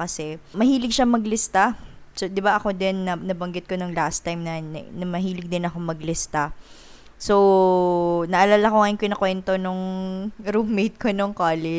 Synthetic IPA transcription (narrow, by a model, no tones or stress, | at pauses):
kɐsɛmɐhiːlɪɡʃɐmɐɡlɪst̪a | sod̪ɪbaʔɐko̞d̪ɛnːɐnɐbɐŋɡɪt̪̚ko̞nɐŋlast̪ajmnɐn̰nɐmɐɦiːlɪɡ̚d̪ɪnɐko̞mɐɡlɪst̪a | so | nɐʔɐlaːlɐkoŋajɪnkojnɐkwɛnt̪o̞nʊŋɾummejt̪̚konoŋkaːlɛ